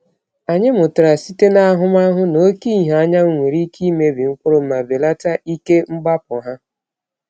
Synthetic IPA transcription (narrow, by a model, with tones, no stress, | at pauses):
a˨ɲɪ˦mʊ˨tʊ˨ɾa˨si˦te˦na˦a˦ɦʊ˦ma˦ɦʊ˦no˦ki˦˨ɦa˨˦ɲa˦ŋʷe˨ɾi˦kʰi˦me˦bi˨ŋ̩˦kʷʊ˦ɾʊ˦ma˨be˨la˦ta˦ʔi˦ke˦ŋ͡m̩˦ɡ͡ba˦pʊ˨ɦa˦